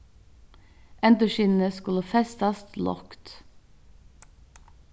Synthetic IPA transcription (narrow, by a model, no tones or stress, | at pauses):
ʔɛnt̪əʃɪːnn̩əskʉlɑfɛst̪ɑst̪lɔ̰kt̪